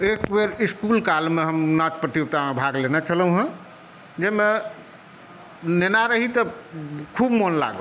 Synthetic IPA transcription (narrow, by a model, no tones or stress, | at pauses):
ekbeɾiskulkalmeɦəmnat͡ʃpɾət̪jok̚t̪amebʱaɡlenɛt͡ʃʰələũɦə̃ | d͡ʒeme | nenaɾəɦit̪əkʰubmonla̰ɡə̰